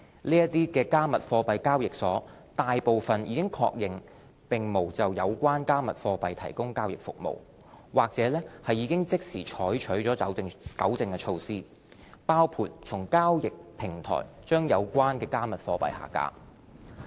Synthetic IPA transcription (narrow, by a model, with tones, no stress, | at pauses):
liː˥jɐ˥t̪iː˥kɛː˧kaː˥mɐ˨t̚fɔː˧pɐ˨˧jkaː˥wjɪ˨k̚sɔː˨˥ | t̪aː˨jpo˨wfɐ˨njiː˨˧kɪ˥ŋkʰɔ̰ː˧k̚jɪ˨ŋ | pɪ˨ŋmo˨˩wt͡sɐ˨wjɐ˨˧wkʷaː˥nkaː˥mɐ˨t̚fɔː˧pɐ˨jt̪ʰɐ̰˨˩jkʊ˥ŋkaː˥wjɪ˨˩k̚fʊ̰˨k̚mo̰˨˩w | waː˨k̚t͡sɛː˨˧˥lɛː˥hɐ˨jːiː˨˧kɪ˥ŋt͡sɪ˥k̚siː˨˩t͡ʃʰɔː˨˥jt͡ʃʰɵ˨˥ɥt͡sɔː˨˥ɐ˨˥wɪ˧ŋkɐ̰˨˥wt͡sɪ˨ŋkɛ˧t͡ʃʰo˧wsiː˥ | paː˥wpʰuː˨˩t̚t͡sʰʊ˨˩ŋkaː˥wjɪ˨k̚pʰɪ˨˩ŋt̪ʰɔ̰ː˨˩jt͡ʃœː˥ŋjɐ˨˧wkʷwaː˥nkɛː˧kaː˥mɐ˨t̚fɔː˧pɐ̰˨jha̰ː˨˩ka̰ː˧˥